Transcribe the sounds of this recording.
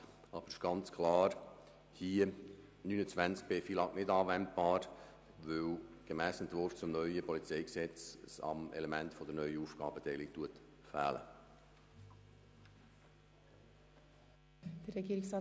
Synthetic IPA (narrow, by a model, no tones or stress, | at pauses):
ɑːb̥əɾɪʃɡ̥ɑnt͡skʰlɑːɾ | hiə | nyːnət͡sʋænsk̚b̥eːfilɑknɪdɑːʋɛnt̚b̥ɑːɾ | ʋɵwɡ̥emæːsənt̪vɔft͡sʊmnœʏəpʰɔlit͡seɪksɛt͡ssɑ̰mɛ̰lɛmæntfɔd̥̪ənœʏəuːfɡ̥ɑ̰ːbət̪ʰɛɪlikt̪uət̪ | fæ̰ːlə̰ | d̪̥əɾɛɡiːɾɪŋsɑ